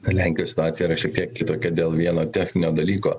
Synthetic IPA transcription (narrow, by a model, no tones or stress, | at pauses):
lʲæˑŋʲkʲɪjosʲɪt̪ʊaːt̪ʲɪjɛiɾɐʃʲɛk̚t̪ʲiɛkːʲɪt̪oːkʲɛd̪ʲeːlˠʋʲiɛnoːt̪ʲæːxʲnʲɪnʲoːd̪ɐlʲiːkoː